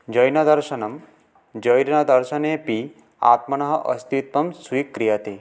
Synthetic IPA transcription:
d͡ʒʌjnɐd̪ɐɾʃɐnɐm | d͡ʒəjɾnɐd̪ɐɾʃɐnepi | a̰ːt̪mɐnɐɦɐʔɐ̰st̪it̪̚ʋɐmsujkːɾijat̪e

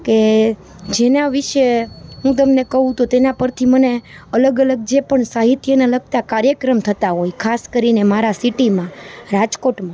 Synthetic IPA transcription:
ke | d͡ʒenaʋiʃeɦũt̪əmnekəɦũt̪ot̪enapəɾt̪ʰiməne | ələɡələɡ̚d͡ʒepəɳsaɦit̪jənaləɡ̚t̪akaɾjəkɾəmt̪ʰət̪aɦojkʰaskəɾinemaɾasiʈimãɾad͡ʒkoʈmã

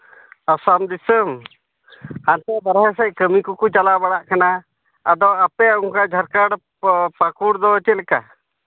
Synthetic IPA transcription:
asamd̪isəm | ant̪ɛbaɾɦɛsɛc̚kəmikɔkut͡ʃalabaɽaʔkanaː | d̪ɔapɛuŋkad͡ʒʱaɾkaɽ | pakuɽd̪ɔət͡ʃɛlɛka

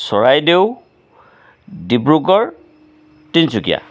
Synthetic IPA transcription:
sɔɹajdew | dibɹukɔɹ | tinsukija̰

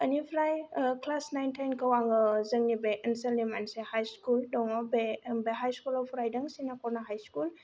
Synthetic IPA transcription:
ənipʰlajəkʰlasnajntʰajnkəwaŋəzəŋnibɛʔənsəlimansɛhajskuldɔŋɔbebeɦajskulɔfʰɾajdəŋsinakɔnaɦajskul

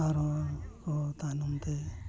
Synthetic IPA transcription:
aɾɔkɔt̪anumt̪e

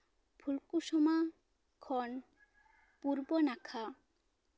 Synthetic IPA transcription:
pʰulkuʃɔma | kʰɔn | puɾbɔnakʰa

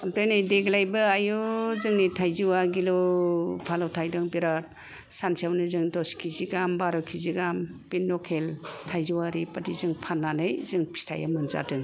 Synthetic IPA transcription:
ampɾejnajdeɡlajbɯajuzɯŋnitʰajziwaɡilɔpʰalawtʰajdɯŋbiɾat̚ | sansawnɯzɯŋdɔskʰiziɡambaɾɔkʰiziɡampinːɔkʰeltʰajziwaɾipadizɯŋpʰanːanɯjzɯŋpʰi̥stʰa̰ja̰mɯnza̰dɯŋ

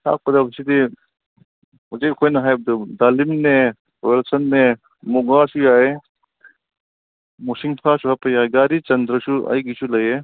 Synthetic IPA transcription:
a̰k̚pɐd̪absid̪i | ud͡ʒekʰojnɐɦajb̚d̪ud̪alimne | welsɐnːe | muɡasujae | musiŋpʰasuɦapɐjajɡaɾit͡ʃɐnd̪ɾəsuɐ̰jɡisulɐje

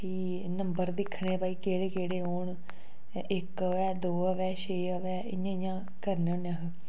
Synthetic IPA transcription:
iː | nəmbəɾd̪ɪkʰːɳeːpaːiːkeːɽeːkeːɽeːɦoːɳ | ɪkəʋɛːd̪oːəʋɛːʃeːəʋɛːɪ̰jãːɪjãː | kəɾnãːnãːɦ

